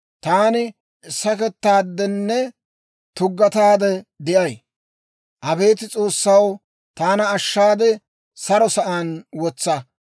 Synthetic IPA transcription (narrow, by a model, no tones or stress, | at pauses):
t̪aːnɪ | ɪsɐkɛt̪ːaːd̪ːɛnːɛ | t̪ʊɡːɐt̪aːd̪ɛd̪ɪʔɐj | ʔɐbe̞ːt̪ɪt͡sʼo̞ːsːɐw | t̪aːnɐːʃːaːd̪ɛ | sɐɾɔsɐʔaːnwɔt͡sːɐ